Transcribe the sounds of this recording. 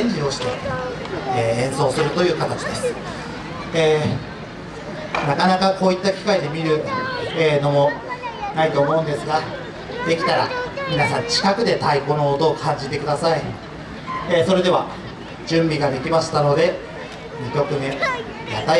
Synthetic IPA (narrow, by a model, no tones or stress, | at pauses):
ẽɲd͡ʑio̞ɕi̥t̪e̞̰ː | ẽ̞ɰ̃so̞ːsɨɾɯ̟t̪o̞jɯ̟ːkat̪at͡ɕi̥d̪e̞sɨ̥ | eː | nakanakako̞ːit̪ːakʲi̥kaid̪e̞mʲiɾɯ̟eːno̞mo̞nait̪o̞ːmo̞ɯ̃nd̪e̞sɨɡa | d̪̥e̞kʲi̥t̪aɾa̰mʲinasãɲ̟t͡ɕi̥kakɯ̟d̪e̞t̪aiko̞no̞ːt̪o̞ːkʰãɲ̟d͡ʑit̪e̞kɯ̟d̪asai | eːso̞ɾe̞d̪e̞βa | d͡ʑɨ̃mbʲiɡad̪e̞kʲimaɕi̥t̪ano̞d̪e̞ | mʲikʲo̞kɯ̟mẽ̞ | ja̰t̪a